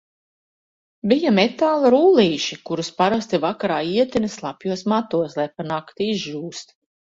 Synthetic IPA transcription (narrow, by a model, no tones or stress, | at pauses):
bijamet̪aːlˠaɾuːlˠiːʃikuɾuspaɾast̪ivakaɾaːiɛt̪inɐslˠapjuɔsmat̪uɔslˠajpanakt̪iizʒuːst̪